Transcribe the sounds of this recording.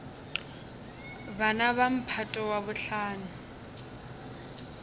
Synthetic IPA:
banaβam̩pʰatʼɔwabʊɬaːnʊ

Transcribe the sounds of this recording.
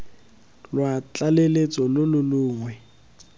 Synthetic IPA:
lwat͡ɬʼalelet͡sʼɔlʊlʊluːŋwɛ

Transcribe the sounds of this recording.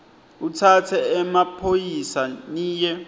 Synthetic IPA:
utʰatʰɛɛmapʰojisaniːjɛ

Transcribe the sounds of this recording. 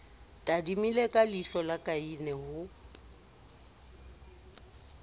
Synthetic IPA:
tʼadimilekʼaliɬɔlakʼainɛhʊ

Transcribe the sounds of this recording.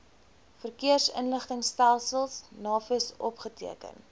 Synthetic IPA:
fərkiərsə̰nləχtəŋstælˠsəlˠsnɑːfəəsɔpχətiəkə̰n

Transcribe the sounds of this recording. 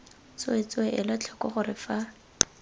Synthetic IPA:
t͡set͡sʊɛʔɪlat͡ɬʰɔkɔχʊɾɪfa

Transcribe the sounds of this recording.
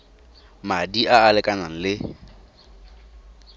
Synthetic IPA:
madiʔaːlɪkʼanaŋ̩lɪ

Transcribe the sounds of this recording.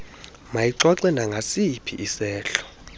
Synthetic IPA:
majiǀwaǀɛnaŋɡʱasipʰḭʔisɛːɬɔ̥

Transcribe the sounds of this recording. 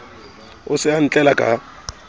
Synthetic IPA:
ʊsɪan̩t͡ɬʼɛlakʼa̰

